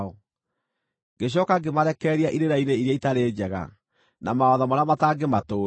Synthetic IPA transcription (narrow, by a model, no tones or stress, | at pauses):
ɔ | ŋɡeɕ̬jɔkaɡemaɾɛkɛːɾiaʔiɾeɾaineiɾiaitaɾeːd͡ʑɛɣa̰ | namaɔðɔmaɾamataːɡematoː